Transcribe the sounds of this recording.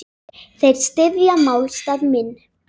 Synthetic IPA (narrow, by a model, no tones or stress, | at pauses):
θejɾst̪ɪðjamaːwlst̪aðmɪnː